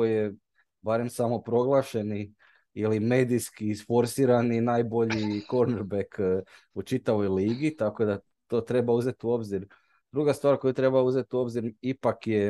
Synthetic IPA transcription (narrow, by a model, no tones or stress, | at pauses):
ojje | baɾe̞msamo̞pɾo̞ɡlˠaʃe̞ni | ilime̞ːd̪iskiːsfo̞ɾsiːɾaninaːjbo̞ʎiko̞ɾneɾbek | ut͡ʃit̪aʋo̞jliːɡit̪ako̞d̪a | t̪o̞ːt̪ɾe̞bauze̞t̪uo̞bziɾ | d̪̥ɾuɡast̪ʋaːɾko̞jut̪ɾe̞bauze̞t̪uo̞bziɾipakje